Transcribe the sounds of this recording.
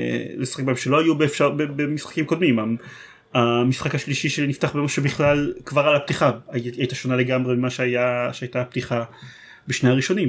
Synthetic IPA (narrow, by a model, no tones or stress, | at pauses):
lesḁχek̚baemʃelo̞hajubefʃabebemisχḁkimko̞d̪mima | amisχakaʃliʃiʃeniftaχbemaʃebiχlalkvaʁalap̚tiχaajt̪aʃo̞naleɡamʁemimaʃeajaʃeajt̪aap̚t̪iχa | beʃnehaʁiʃo̞nim